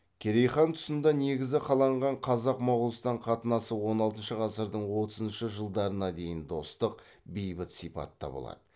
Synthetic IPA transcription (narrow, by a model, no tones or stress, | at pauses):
kʲʰeɾejχɑnt̪ʰʊ̥sənd̪ɑne̞ɡʲɪzʲɪqʰɑlˠɑɴʁɑɴqʰɑzɑqmɑwʁlˠəst̪ɑɴqʰɑt̪ənɑsəwo̞nɑlˠt̪ənʃəʁɑsəɾd̪əɴwo̞t̪əzənʃəʒəlˠd̪ɑɾənɑd̪e̞jɪnd̪o̞st̪əq | bejbɪt̪sipɑ̰t̪ːɑ̰bo̰lˠɑ̰d̪ə